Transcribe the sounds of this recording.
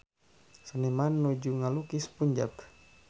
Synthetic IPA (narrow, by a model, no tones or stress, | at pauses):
sənimanːud͡ʒuŋalukispuɲd͡ʒak